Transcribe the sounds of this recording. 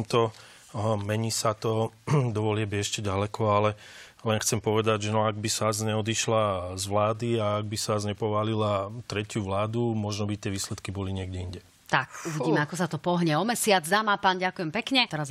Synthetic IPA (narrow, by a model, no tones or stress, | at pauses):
mt̪ɔ | mɛɲiːsat̪ɔd̪ɔʋɔlɪabiɛʃcɛɟalɛkɔalɛ | lɛnxt͡sɛmpɔʋɛd̪aɟʒɛnɔaɡbisazɲɛɔd̪iʃlazʋlaːd̪iaːɡ̚bisazɲɛpɔʋaːlilat̪ɾɛcjuʋlaːd̪umɔʒnɔbit̪ɪɛʋiːslɛt̪kibɔliɲɪɛɡɟɛiɲɟɛ | t̪akuʋiɟiːmɛakɔsat̪ɔpɔɦɲɛɔmɛsɪad͡zd̪amaːpaːnɟakuʊjɛmpɛkɲɛt̪ɛɾaz